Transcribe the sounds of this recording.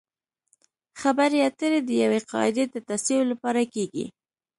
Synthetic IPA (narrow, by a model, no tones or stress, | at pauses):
xabaɾeat̪əɾed̪əjaweqɑ̰ɪd̪ed̪ət̪asijolapɑɾakeɡḭ